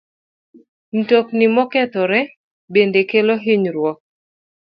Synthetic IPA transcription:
n̩tok̚nimɔkɛt̪ɔɾɛ | bendekeloɦiɲɾwɔk̚

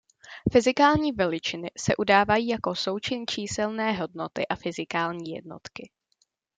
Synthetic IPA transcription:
fɪzɪkaːlɲiːvɛlɪt͡ʃɪnɪsɛ̰ʔudaːvajiːjako̞so̞wt͡ʃɪnt͡ʃiːsɛlnɛːɦo̞dno̞t̪ɪʔafɪzɪkaːlɲiːjɛ̰dno̞̰t̪kɪ

